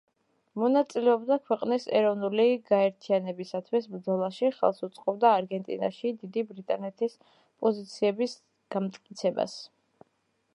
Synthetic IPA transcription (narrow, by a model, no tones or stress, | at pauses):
mɔnat̪sʼilɛɔbd̪akʰwɛqʼnisɛ̰ɾɔvnuliɡaɛɾt̪ʰianɛbisat̪ʰwisbɾd̪zɔlˠaʃiχɛ̰lˠsut̪sʼqʼɔbd̪aːɾɡɛnt̪ʼḭna̰ʃid̪id̪ibɾit̪ʼanɛt̪ʰis | pʼɔzit̪sʰiɛbis | ɡ̥amt̪ʼkʼit̪sʰɛba̰s